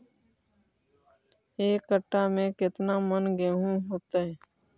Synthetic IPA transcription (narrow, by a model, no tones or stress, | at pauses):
eːkəʈːamẽkɪt̪namənɡeɦũɦoːt̪aɦɛ